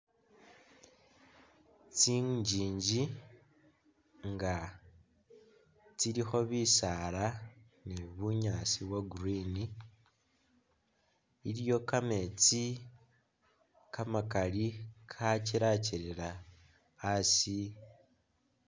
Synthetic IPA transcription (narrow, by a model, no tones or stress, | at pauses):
t͡siɟiːɲɟi | ŋɡa | t͡siɾixo̞βisala | niβuɲasiβwaɡurini | iljo̞kame̞t͡si | kamakalikʰaciɾaciɾeɾaː | si